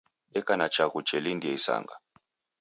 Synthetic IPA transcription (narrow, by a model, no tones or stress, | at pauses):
ɛkanat͡ʃaɣut͡ʃɛlindiɛisa̰ŋɡa